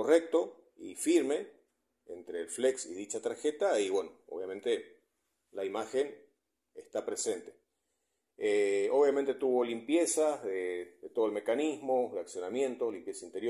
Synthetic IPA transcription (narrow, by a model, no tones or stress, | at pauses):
korek̚t̪o̞ | ḭfiɾme̞ | ent̪ɾeːlfleksḭðit͡ʃat̪aɾxet̪aiβwenoo̰βjamẽnt̪e | laimaxen | est̪apɾese̞nt̪e̥ | eoβjamẽnt̪e̞t̪uβo̞limpje̞saðeðet̪o̞ðolme̞kanizmo̞ðeaksjonamjẽ̞nt̪olimpjesaint̪eɾjo